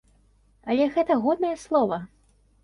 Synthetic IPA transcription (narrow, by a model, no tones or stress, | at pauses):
ɐlʲɛɣɛt̪ɐɣɔd̪̚nɐjɛslˠɔvɐ